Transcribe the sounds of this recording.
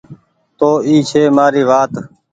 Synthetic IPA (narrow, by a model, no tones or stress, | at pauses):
t̪oːiːt͡ʃʰeːmaːɾiːʋaːt̪